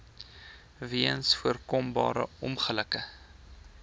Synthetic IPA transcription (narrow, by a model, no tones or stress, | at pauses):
viənsfuərkɔmbɑ̰ːɾə̰ɔmχələkə